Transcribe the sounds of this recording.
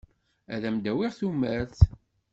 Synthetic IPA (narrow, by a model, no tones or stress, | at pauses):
æ̰ðæmd̪æwiʁθumæɾθ